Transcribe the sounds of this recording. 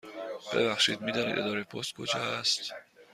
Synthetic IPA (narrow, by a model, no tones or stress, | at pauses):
b̥ḛvæxʃiːd̪̚miːd̪ɒːniːd̪ed̪ɒːɾepʰost̪̚kʰod͡ʒɒæst̪